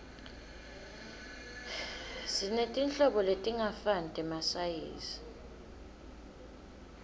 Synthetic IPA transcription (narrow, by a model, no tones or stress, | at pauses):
sinetʼint͡ɬʼɔɓɔletʼiŋafantʼɛmasajḛːsi̥